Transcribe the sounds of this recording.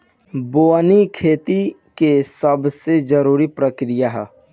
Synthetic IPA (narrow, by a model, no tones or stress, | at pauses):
boːnikʰeːt̪i | kesəbsed͡ʒəɾuːɾipɾəkɾijaɦɛ̰